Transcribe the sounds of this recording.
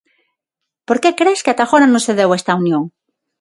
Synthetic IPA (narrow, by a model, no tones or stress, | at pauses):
poɾkekɾeskɪat̪axoɾanõseðewest̪aunjõŋ